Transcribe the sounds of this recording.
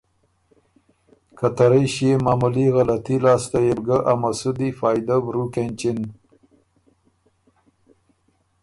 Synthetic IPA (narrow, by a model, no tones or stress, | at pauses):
kat̪aɾəjɕjemɑːmuliɣalat̪ilɑːst̪ajebɡəʔamasud̪ifɑːjd̪abɾukent͡ʃɪn